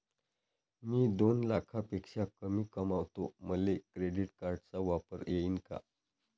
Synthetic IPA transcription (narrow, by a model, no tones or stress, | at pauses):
miːd̪onlakʰapekʂakəmiːkəmaʋt̪oməlekɾeɖiʈkaɾɖt͡saʋapəɾjeiːnka̰